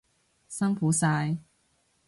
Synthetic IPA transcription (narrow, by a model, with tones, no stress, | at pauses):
sɐ˥ŋfuː˨˥saː˧j